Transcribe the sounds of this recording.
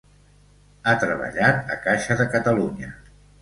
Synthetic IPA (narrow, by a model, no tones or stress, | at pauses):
at̪ɾəβə̰ʎat̪ə̰kaʃəðəkət̪əluɲə